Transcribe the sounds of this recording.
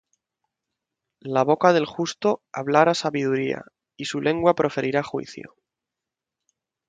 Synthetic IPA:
laβ̞o̞kað̞e̞lxust̪o̞aβlaɾasaβiðuɾia̰ | isulʔe̞ŋɡwapɾʔo̞fe̞ɾiɾaxwḭθjo̰

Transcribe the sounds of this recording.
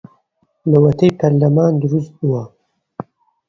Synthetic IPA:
lɐwɐt̪ʰɐjpʰɐɾlɐmaːnd̪uɾust̪̚buwa

